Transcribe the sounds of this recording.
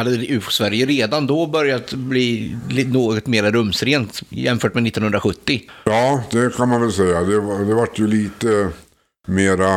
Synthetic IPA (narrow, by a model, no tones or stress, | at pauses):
had̪ːəʉ̟ːfsvæɾjəɾeːd̪and̪obœɾjat̪bliːlnoːɡɔt̪meːɾaɾɵmːsɾeːnt̪jɛ̰mfœːʈmɛnɪt̪ːɔnɵnd̪ɾaɧɵt̪ːɪjɑːd̪ɛkʰanmanvɛlsɛjːad̪ɛad̪ɛvaʈːjɵliːt̪ə | meːɾa